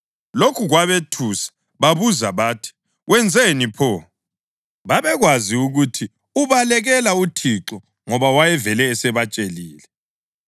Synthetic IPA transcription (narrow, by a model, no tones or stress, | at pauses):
lokʰuɣwaβetʰusḁ | βaβuzaβaːtʰi̥ | ɣwɛnd͡zʱenipʰɔ | βaβɛɣwaziuɣutʰi | uβalɛɣɛlautʰiǁɔ | ŋɔβawajɛvɛlɛːsɛβat͡ʃʼeliːlɛ